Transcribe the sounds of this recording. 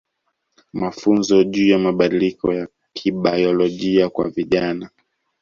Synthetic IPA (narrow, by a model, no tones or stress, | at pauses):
mafunzɔʄuːjamaɓaɗilikʰɔja | kʰiɓajɔlɔʄiakwa̰viʄana